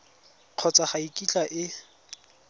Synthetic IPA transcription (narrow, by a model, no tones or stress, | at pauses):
q͡χʰɔt͡sʼaχaikʼit͡ɬʼaʔɪ